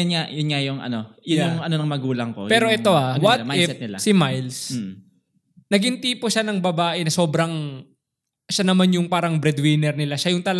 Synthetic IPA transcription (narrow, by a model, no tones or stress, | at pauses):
ʊnŋajʊnŋajʊŋʔɐ̰no̞jʊjʊŋɐnonɐŋmɐɡuːlɐŋkopɛːɾo̞ʔɛt̪o̞ʔawɐtɪɛnɪlasɪmajls | nɐɡɪnt̪iːpoʃanɐŋbɐbaːʔɛnɐso̞ːbɾɐŋ | ʃanɐmanjʊŋpaːɾɐŋbɾɛd̪wɪnɛɾnɪlaʃajʊŋt̪ɐl